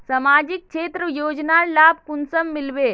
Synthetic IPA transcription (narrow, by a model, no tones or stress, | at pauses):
sɐmaːd͡ʒik̚ʃeːt̪ɾəjoːd͡ʒnaːlaːb̚kunsəmːɪlʋeː